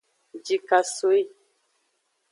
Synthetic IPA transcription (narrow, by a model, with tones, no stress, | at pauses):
d͡ʒi˨ka˨so˦i˦